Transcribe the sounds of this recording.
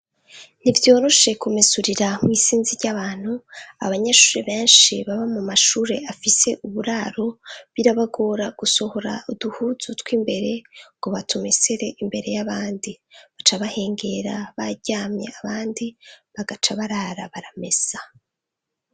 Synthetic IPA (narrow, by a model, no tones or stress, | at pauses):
nivjo̞ːɾo̞ʃe̞kumisuɾiɾamŋiːsiːnziɾɟaβaːn̥hua̰βaɲaʃuːɾe̞βe̞ːnʃiβaβamumaʃuːɾe̞afise̞ʔuβuɾaːɾo̞βiɾaβaɡo̞ɾaɡ̥uso̞ho̞ɾa̰uduhuzutwiːmbe̞ɾe̞ŋɡ̥o̞βatumeseɾe̞ʔimbe̞ɾe̞jaβaːndiβat͡ʃaβahe̞ːŋɡe̞ɾaβaɟaːmɲe̞̰aβaːndiβaɡat͡ʃaβaɾaːɾaβaɾame̞z̥a